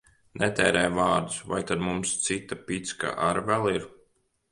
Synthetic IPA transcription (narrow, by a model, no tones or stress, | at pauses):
nʔɛt̪ɛːɾɛːjvaːɾd̪usva̰jt̪ad̪mumst̪sit̪apit̪ska̰ʔaɾvɛlˠiɾ